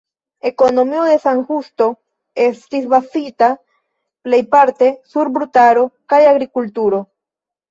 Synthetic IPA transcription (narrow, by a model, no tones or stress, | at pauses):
e̞ko̞no̞miode̞saŋxust̪o̞ | est̪isbasita | ple̞jpaɾt̪e̞suɾbɾutaɾo̞kajaɡɾikultuɾo̞